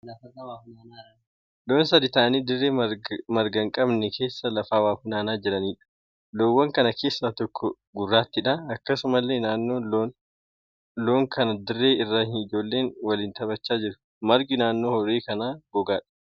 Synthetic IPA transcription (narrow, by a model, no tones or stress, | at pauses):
ɐɐwaana | loːnsɐd̪ɪt̪aːniːd̪ɪrːeːmɐɾɡɐŋkʼɐbnɛkʰe̞ːsːɐlɐfaːwaːfʊnaːnaːd͡ʒɪɾɐniːᶑɐ̥ | loːwːɐŋkɐnɐkʰe̞ːsːaːt̪ɔkʰːɔ | ɡʊrːaːt̪ːɪᶑɐɐkːɐsʊmɐlːeːnaːnːoːlon | loːŋkʰɐnɐd̪ɪrːe̞ːɪrːaːhɪnɪd͡ʒo̞ːlːe̞ːnwɐlɪːnt̪ɐbɐt͡ʃːaːd͡ʒɪɾʊ̥ | mɐɾɡɪnaːnːo̞ːhɔɾeːkɐnaːɡɔɡaːᶑɐ̥